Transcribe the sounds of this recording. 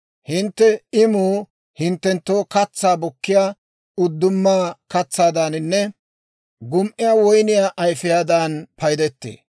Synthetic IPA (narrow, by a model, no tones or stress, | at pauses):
hɪnt̪ːɛɪmuː | hɪnt̪ːɛnt̪ːoːkɐt͡sːaːbɔkːɪjaː | ʊd̪ːʊmːaːkɐt͡sːaːd̪anɪnːɛ | ɡʊmʔɪjaːwɔjnɪjaːʔɐjfɪjaːd̪anpɐjd̪ɛt̪ːḛː